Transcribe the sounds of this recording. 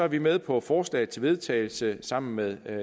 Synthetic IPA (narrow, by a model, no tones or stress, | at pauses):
ɒæɐʋimeð̞ˠpʰɒ̽fɒːslɛ̰ɪð̩ˠt͡sʰe̝ʋe̝ð̞ˠt͡sʰɛɪl̩səsɑ̈m̰n̩meðˠ